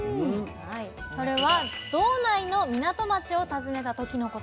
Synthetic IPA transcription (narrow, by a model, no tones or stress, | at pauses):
aiso̞ɾe̞βad̪̥o̞ːnaino̞mʲinat̪o̞mat͡ɕio̞t̪azɨne̞t̪at̪o̞kʲino̞ko̞t